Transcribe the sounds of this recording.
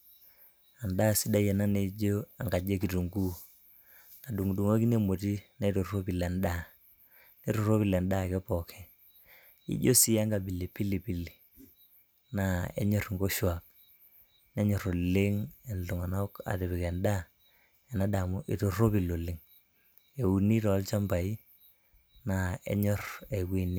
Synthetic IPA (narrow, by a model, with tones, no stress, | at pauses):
a˨nda˦si˦da˦je˨na˦ne˦d͡ʒo˦a˨ŋɡa˨d͡ʒe˦ki˨tu˨ŋɡu˦ | na˨du˨ŋdu˨ŋo˦ki˦ne˦mo˨ti˦na˦i˦to˨ro˦pi˨lɛ˨nda˦˨ | ne˦ɾo˨ɾo˦pi˨la˨nda˦˨kɛ˦pɔ˨kʰɛ˦ | ḭ˦d͡ʒo˦si˨ja˦ŋɡa˨bi˨le˨pi˦li˨pi˨li˨ | na˨ḛ˦ɲɔ˨ɾŋɡo˦ʃwa˨k̚ | nɛ˦ɲɔ˨ɾo˨lɪ˦ŋe˨nlo˨ŋa˨na˦ka̰˨te˨bi˨kɛ˨nda˦ | ɛ˨na˦da˨mu˦ʔi˨to˨ro˦pi˨lo˨lɪ˨˦ŋ | e˨u˨ni˦tɔ˨˦lt͡ʃa˦mba˨i˦ | na˨ḛ˦ɲɔ˦˨re˨kwi˦˨ni˦